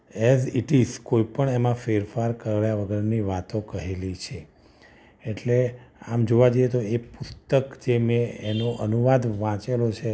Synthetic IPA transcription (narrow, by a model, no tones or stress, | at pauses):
eziʈiskoipəɳemãfeɾfaɾkəɾajaʋəɡəɾniʋat̪õkəɦelit͡ʃʰeː | ʈleamd͡ʒoʋad͡ʒəjet̪oepʊst̪əkd͡ʒemẽenoʔənuʋad̪ʋãt͡ʃelot͡ʃʰe